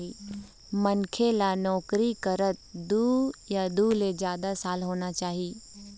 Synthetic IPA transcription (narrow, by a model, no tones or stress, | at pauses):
i | mɐnkʰelanɔːkɾikəɾət̪̚d̪uːjad̪uːled͡ʒjaːd̪asaːlɦoːnat͡ʃaːɦiː